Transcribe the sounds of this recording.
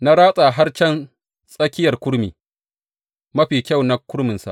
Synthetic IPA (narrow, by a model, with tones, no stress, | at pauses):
na˦ɽaː˦sʼaː˨ɦa˦rt͡ʃɛ˦n | sʼɐ˦kʲɪ˦jɐ˨rkʷʊ˦ɾmḭː˨ | mɐ˦ɸiː˨kʲa˦˨wna˨˦kʷʊ˦ɽmɪ˨nsa̰˨